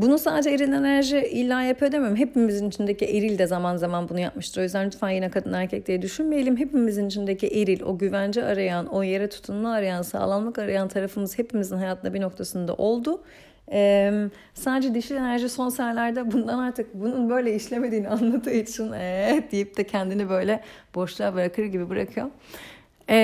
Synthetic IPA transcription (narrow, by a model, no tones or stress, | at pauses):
bunusaːd̪ed͡ʒɛeɾilʲe̞næɾʒiilʲːaːjapʰad̪emiɾmɦepimizinit͡ʃʰind̪eciʔeɾilʲd̪ɛzamanzamanbunujap̚mɯʃt̪ʰɯɾo̞jyzd̪ænlʲyt̪fæːnjinɛkʰad̪ɯnæɾcʰɛc̚lejɛd̪yʃynmejelʲimɦe̞pimizinit͡ʃʰind̪e̞ciʔeɾilʲo̞̰ɟyvænd͡ʒiaɾajano̞je̞ɾɛt̪ʰu̥t̪ʰunlˠaaɾajansa̰ːlˠanmˠakaɾajant̪ʰaɾafɯmɯzhe̞pimizinɦajat̪ʰɯnabino̞k̚t̪ʰasɯnd̪a̰ʔo̞lˠd̪u | ɛm | saːd̪ed͡ʒɛd̪iʃie̞næɾʒiso̞nsælʲæɾd̪ɛbund̪anaɾt̪ʰɯk̚bununbø̞jlʲɛiʃlʲeme̞d̪iːnianlˠad̪ɯːit͡ʃʰinɛd̪ijip̚d̪ɛcʰɛnd̪inibø̞jlʲɛb̥o̞ʃlˠabɯɾakʰɯɾɟibibɯɾakʰɯjo | ɛ